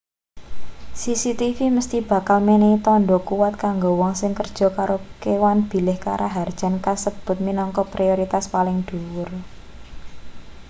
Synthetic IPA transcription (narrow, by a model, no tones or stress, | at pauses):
sisit̪ifiməst̪ib̥a̤kalmenet̪ɔɳɖɔkuwat̪̚kaŋɡowɔŋsɪŋkərd̥ʒ̥ɔ̤kaɾʔokewanb̥i̤lɪhka̰ɾʔaɦard̥ʒ̥a̤nkasəb̥ʊ̤t̪̚minɔŋkɔpɾioɾit̪aspalɪŋd̪̥uwʊr